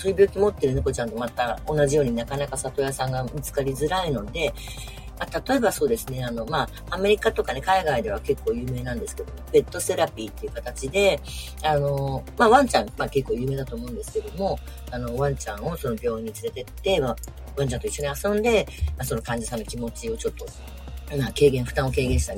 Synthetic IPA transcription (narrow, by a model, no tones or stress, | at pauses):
soɾʲibʲo̞ːkʲimo̞t̪ːe̞ɾɯ̟nɯ̟ko̞t͡ɕãnt̪o̞mat̪ao̞nːaʑijo̞ːɲ̟inakanakasat̪o̞jasãŋɡamit͡sɨ̥kaɾʲizɨɾaino̞d̪e̞ | mat̪at̪o̞e̞baso̞ːd̪e̞sɨne̞ano̞maː | me̞ɾʲikat̪o̞kane̞kaiɡaid̪e̞β̞ake̞kːo̞ːjɯ̟ːme̞ːnãnd̪e̞sɨ̥ke̞d̪omob̥e̞t̪ːo̞se̞ɾapʲiːt̪ːeiɯ̟kat̪at͡ɕid̪e̞ | ano̞maβãɲ̟t͡ɕãŋmake̞kːoːjɯ̟ːmeːd̪at̪oːmo̞ɯ̃nd̪e̞sɨ̥ke̞d̪o̞mo̞ | ano̞βãɲ̟t͡ɕãɰ̃o̞so̞nobʲo̞ːĩɲ̟ːit͡sɨɾe̞t̪e̞t̪ːe̞a | βãɲ̟t͡ɕãnt̪o̞iɕːo̞ɲ̟iasõ̞nd̪e̞maso̞no̞kãɲ̟d͡ʑasãnːokʲimo̞t͡ɕio̞t͡ɕo̞t̪ːo̞ | make̞ːɡẽɰ̃ɸɯ̟̥t̪ãɰ̃o̞ke̞ːɡẽ̞ɕi̥t̪an